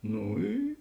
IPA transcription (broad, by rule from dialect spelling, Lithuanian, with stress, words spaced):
ˈnʊ ˈiː